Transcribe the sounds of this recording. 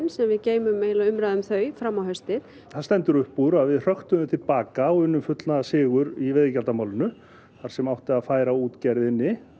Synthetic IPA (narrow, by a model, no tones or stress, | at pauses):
nsɛmvɪðceːjmʏmejlaʏmɾaːðʏmθœːɥfɾamːawɦœɥst̪ɪð | θaɾst̪ɛnt̪ʏɾʏhpuɾaðvɪðr̥œxt̪ʏðʏmt̪ʰɪlpaːkaɔʏnːʏmfʏt̪lnaðasɪːɣʏɾivɛðɪcalt̪amaːwlʏnʏ | θaɾ̥sɛmawht̪ɪaðfaːjɾauːt̪cɛɾðɪnːɪ